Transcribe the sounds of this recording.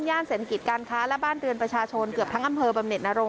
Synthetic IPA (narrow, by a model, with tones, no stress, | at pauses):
njaː˥˩nseː˨˩t̪ʰa˧ki˨˩t̪̚kaː˧nkʰaː˦˥lɛ˦˥baː˥˩nɾɯ˧ənpɾa˧t͡ɕʰaː˧t͡ɕʰo˧nkɯ˨˩əp̚t̪ʰa˦˥ŋʔa˧mpʰɤː˧ba˧mne˨˩t̪̚na˧˥ɾo˧ŋ